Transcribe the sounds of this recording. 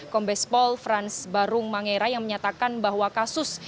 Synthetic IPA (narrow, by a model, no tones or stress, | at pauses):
kɔmbɛspɔlfɾansbaɾʊŋmaŋeɾajaŋməɲat̪akanbaɦwakasʊs